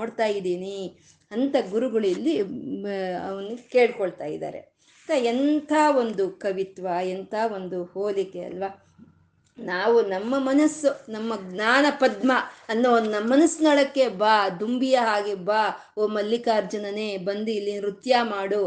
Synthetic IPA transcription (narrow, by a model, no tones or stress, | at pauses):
oːɽt̪aːjid̪iːni | ɐnt̪ɐɡuɾuɡɐɭilːi | ɐʋɐnkeːɭkɔɭt̪a̰ːjḭd̪a̰ːɾe̞̰ | t̪ɐent̪ʰaːo̞nd̪ukɐʋit̪ʋɐent̪ʰaːo̞nd̪uhoːlikːeɐ̰lʋa | naːʋunɐmːɐmɐnɐsːunɐmːɐɡnaːnɐpɐd̪mɐɐnːonːɐmːɐnɐsːnɐɭɐkːebaːd̪umbijɐɦaːɡebaː | oːmɐlːikaːɾd͡ʒɐnɐneːbɐnd̪uilːiɾut̪jaːmaːɽu